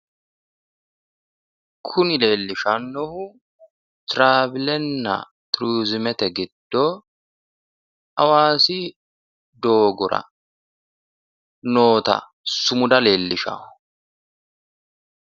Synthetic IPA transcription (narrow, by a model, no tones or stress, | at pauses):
kʰʊnɪle̞ːlːɪʃɐnːɔhʊ | t̪ɾaːbɪlɛnːɐ̰ | t̪ɾuːzɪmɛt̪ɛɡɪd̪̥ːo | ɐwaːsɪ | d̪o̞ːɡʊɾɐ̰ | no̞ːt̪ɐ̰ | sʊmʊd̪ɐle̞ːlːɪʃa̰ːʊ